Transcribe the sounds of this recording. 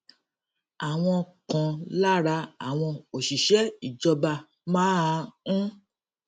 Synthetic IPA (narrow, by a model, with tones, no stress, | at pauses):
a˨w̃ɔ̃˧kã˨la˦ɾa˧a˦˨w̃ɔ̃˧o˨ʃi˨ʃɛ˨˦i˨d͡ʒɔ˧ba˧˨ | mãː˦a˧ũ˦